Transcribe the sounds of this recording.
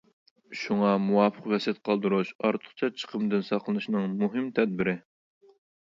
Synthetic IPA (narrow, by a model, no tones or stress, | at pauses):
ʃuŋɑmuwɑːpʰəqwɛsɛt̪̚qʰɑlˠd̪uɾuʃɑɾt̪ʰə̥χt͡ʃʰɑt͡ʃʰə̥qʰəmd̪ɪnsɑqʰlˠɨnɨʃnɨŋmuɦɨmt̪ʰɛd̪̚bɪɾɪ